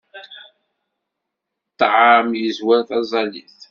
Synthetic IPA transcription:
t̪ˤːʕamjəzwaɾθɑzˤɑlḭθ

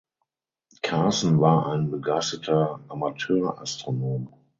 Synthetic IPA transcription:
kʰaːsn̩vaːɐaɪnbəɡaɪstətʰɐʔamatʰøːɐʔa̰stʁ̥onoːm

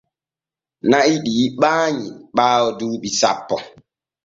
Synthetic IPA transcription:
naiɗiːɓaːɲiɓaːwɔduːɓisa̰pːɔ

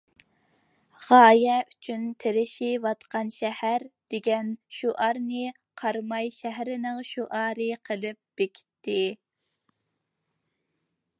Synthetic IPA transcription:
ʁɑːjɛyt͡ʃʰynt̪ʰeɾɪʃivɑt̪qɑnʃɛhæɾd̪̥eɡʲɛnʃuʔɑɾnɨ | qʰɑɾmɑjʃæɦɾɪnɪŋʃuʔɑːɾɨqʰəlˠɨp̚b̥ekʲʰi̥t̪ʰːɪ

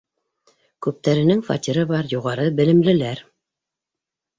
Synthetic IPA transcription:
kʉp̚t̪æɾɘ̆nɘŋfɑ̰t̪ʲiɾɤβɑɾjuʁɑɾɤbɘ̆lɘ̆mlɘ̆læɾ

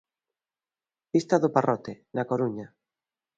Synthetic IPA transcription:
pist̪aðʊparʔɔt̪enakoɾuɲa

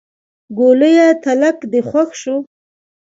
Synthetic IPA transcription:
ɡoləjat̪alakd̪əxwaxʃu

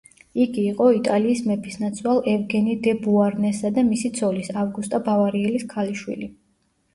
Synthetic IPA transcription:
iɡiːqʼɔit̪ʼaliːsmɛpʰisnat̪sʰwalˠɛvɡɛnid̪ɛbuaɾnɛsad̪amisit̪sʰɔlisavɡust̪ʼabavaɾiɛliskʰaliʃwḭli

